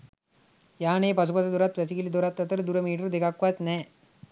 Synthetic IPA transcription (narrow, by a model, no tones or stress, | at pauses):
jañepasupat̪ad̪ɔɾat̪ʋat͡sikelid̪oɾat̪ːat̪əɾd̪uɾəmiʈəɾd̪ekakːʋat̪nɛ